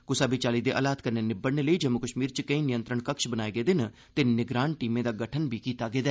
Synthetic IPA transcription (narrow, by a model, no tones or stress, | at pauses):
kʊsaːbiːt͡ʃaːliːd̪eːʔə̰ːlaːt̪kəɾneːnɪbəɽneːləiːd͡ʒəmːʊkəʃmiːɾt͡ʃkəĩːnɪjə̃nt̪ɾəɳkəkʃbənaːeːɡeːd̪ɪn | t̪eːnɪɡɾaːnʈiːmẽːd̪aːɡəʈʰənbiːkiːt̪aːɡeːd̪ɛː